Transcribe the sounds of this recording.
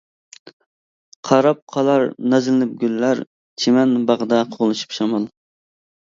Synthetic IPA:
qʰɑɾɑp̚qʰɑlˠɑɾnɑzlɪnɪp̚ɡʲylːæɾ | t͡ʃʰemɛnbɑʁəd̪ɑqʰoʁlˠɨʃy̥pʃɑmɑlˠ

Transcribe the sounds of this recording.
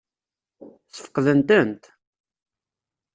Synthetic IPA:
θə̥fə̥qːðənt̪ənt̪

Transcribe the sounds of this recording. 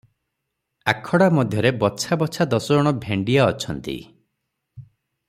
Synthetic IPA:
akʰɔɽamɔd̪ʱjɔɾebɔt͡ʃʰabɔt͡ʃʰad̪ɔsɔɔɽ̃ɔbʱeɳɖijaɔt͡ʃʰɔnt̪ḭ

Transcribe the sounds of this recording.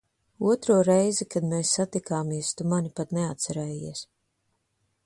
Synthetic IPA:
uɔt̪ɾuɔɾɛjzikad̪meːsːat̪ikaːmiɛst̪umanʲipat̪neat̪̚sɛɾɛːjiɛs

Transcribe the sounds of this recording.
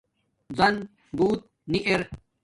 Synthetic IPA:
zɐn | buːt̪̚ | niʔeɾ

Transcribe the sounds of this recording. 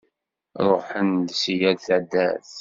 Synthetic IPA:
ɾˤoħənd̪sijæd̪θʕd̪ːæ̰θ

